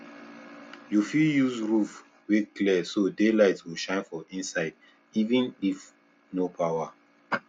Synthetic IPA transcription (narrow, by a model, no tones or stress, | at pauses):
jufiljuzɹuf | weklɛsodelaɪtswiʃãɪ̃nfɔʔĩnsaɪd | ivĩnif | nopʰawa